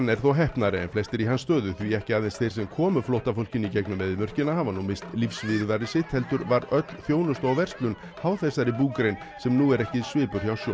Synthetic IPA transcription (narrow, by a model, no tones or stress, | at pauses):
nːɛɾ̥θowɦɛhpnaɾɪɛ̰nflɛst̪ɪɾiɦanst̪œːðʏθviɛhcɪaːðenst̪θejɾ̥sɛmkʰɔːmʏflowht̪afowl̥cɪnicɛknʏmɛðɪmœr̥cɪnahanvanumest̪lifsvɪɾðaɾɪsɪht̪hɛlt̪ʏɾvaɾœt̪l̥θjoːwnʏst̪aɣvɛr̥st̪lʏn | hawθɛsːaɾɪpuːkɾejn | sɛmnuːɛɾɛhcɪsvɪːpʏɾ̥θjawsjɔ